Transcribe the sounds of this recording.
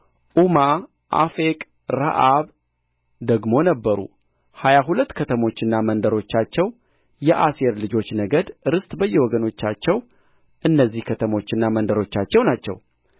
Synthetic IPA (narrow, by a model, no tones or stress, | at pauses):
ʔuma | ʔa̰fekʼ | ɾa̰ʔaβ | d̪əɡmo̞nəbːəɾṵ | hajaɦulət̪ːkʰət̪ʰəmo̞t͡ʃːɪnːamənd̪əɾo̞t͡ʃːat͡ʃːɛw | jɛʔaseɾlɨd͡ʒo̞t͡ʃːnəɡəd̪ɨɾɨst̪ʼbəjːɛwɔɡəno̞t͡ʃːat͡ʃːɛw | ʔɨnːəzːihkʰət̪ʰəmo̞t͡ʃːɪnːamənd̪əɾo̞t͡ʃːat͡ʃːɛwnat͡ʃːɛ̰w